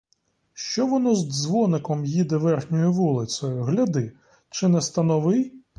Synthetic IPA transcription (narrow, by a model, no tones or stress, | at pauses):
ʃt͡ʃɔʋɔnɔzzʋɔnɪkɔmjid̪ɛʋɛrxnʲɔjʊʋulˠɪsʲɔjʊɦlʲɐd̪ɪ | t͡ʃɪnɛst̪ɐnɔʋɪj